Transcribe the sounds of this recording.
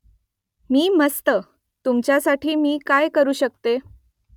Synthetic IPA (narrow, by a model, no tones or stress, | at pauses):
miːməst̪ə | t̪umt͡ɕjasaʈʰiːmiːkajkəɾuːɕəkt̪e